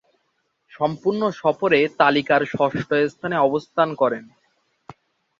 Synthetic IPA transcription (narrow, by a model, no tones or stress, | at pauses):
ʃɔmpuɾnoʃɔfoɾet̪alikaɾʃɔʃʈoest̪ʰaneɔbost̪ʰankɔɾen